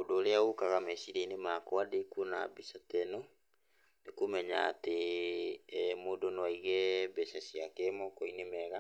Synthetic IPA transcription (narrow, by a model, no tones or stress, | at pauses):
odoːɾeaokaɣamɛsiɾeinemakɔadekuona̰bisatɛnɔ | nekumɛɲa̰ːte | moːdonwaiɣɛbɛsasiakemɔkɔinemɛɣa